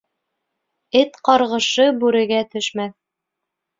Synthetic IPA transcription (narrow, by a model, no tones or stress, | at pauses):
ɘt̪qɑɾʁɤ̆ʃɤbʉɾɘ̆ɡæt̪ɵ̆ʃmæθ